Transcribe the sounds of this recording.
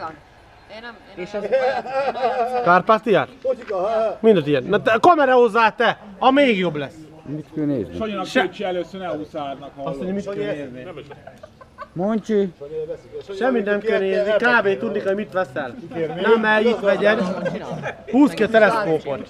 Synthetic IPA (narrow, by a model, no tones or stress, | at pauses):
kaːrpaːst̪ijaːrt̪ | mind̪ɛt̪ijɛnːt̪ɛkɒmɛɾɛhozːaːt̪ɛɒmeːɡjo̞blɛs | mit̪kønḛːznḭojinʃt͡ʃiɛløsønɛusaːɾnɔkɒsoɲɔmit̪køeːzni | moɲt͡ʃi | ʃɛmːit̪nɛmkøneːznikaːveːt̪ud̪nikojmit̪ʋɛsɛlnɛmɛit̪ʋɛɟɛn | huːskiɒt̪ɛlɛspoːport̪